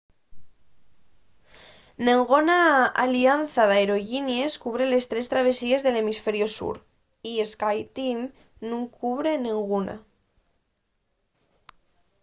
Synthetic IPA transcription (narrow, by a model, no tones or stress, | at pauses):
neŋɡonaa̰lianθaðaeɾo̞ʝinjeskuβ̞ɾele̞st̪ɾest̪ɾaβ̞e̞sie̞zðe̞le̞misfe̞ɾjo̞sṵɾ | ieskajt̪im | nũŋkuβɾenĩŋɣuna̰